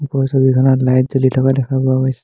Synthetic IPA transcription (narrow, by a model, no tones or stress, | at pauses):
pɔsɔbikʰɔnatlajt̚zolitʰɔkadɛkʰabɔabɔjsɛ